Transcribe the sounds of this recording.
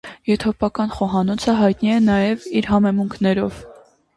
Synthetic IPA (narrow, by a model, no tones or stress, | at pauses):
jɛt̪ʰɔpɑkɑnχɔɦɑnɔt͡sʰəɦɑjt̪niɛnɑjɛviɾɦɑmɛmuŋkʰnɛɾɔv̥